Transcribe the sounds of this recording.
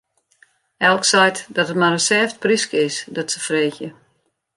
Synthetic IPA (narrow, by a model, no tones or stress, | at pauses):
ɛlˠksɛjtdɔtət̚maɾəsɛːft̚priskəɪsdɔtsəfreːxjə